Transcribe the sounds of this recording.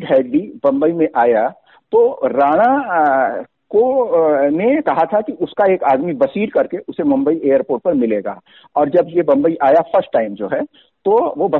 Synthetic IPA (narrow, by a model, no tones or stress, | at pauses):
ɖɦɛːɖɖibɐ̃mbəimẽʔaːja | t̪oɾaːɽ̃a | ko | nekɐɦat̪ʰakiʊskaeːkaːd̪mibɐsiːɾkɐɾkeʔʊsemʊ̃mbəieːəɾpoːɾʈ̚pɐɾmɪleːɡa̰ː | ɔːɾd͡ʒɐbjebɐ̃mbəiʔaːjafɐɾsʈːaːɪmd͡ʒoːɦɛː | t̪oʋobɐ